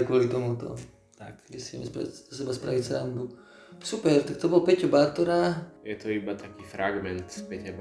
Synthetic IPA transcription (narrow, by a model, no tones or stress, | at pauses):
kʋʊɔlit̪ɔmut̪ɔ̰ | t̪akɡɛsiɛ̰mɛspa̰asɛbaspɾaʋitsa̰md̪u | supɛɾt̪akt̪ɔbɔlpɛcɔbaɾt̪ɔɾaːjɛt̪ɔibat̪akiːfɾaɡmɛnt̪spɛcab